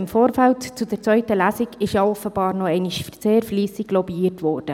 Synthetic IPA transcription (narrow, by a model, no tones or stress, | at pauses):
ɪmfoːɾfæltt͡sudɛɾt͡sʋœʏtəlæsiɡɪʃjɑːɔfəb̥ɑːɾnɔɛɪniʃfəɾt͡seːɾfliːsɪɡlɔbiːətʋɔːrd̥ə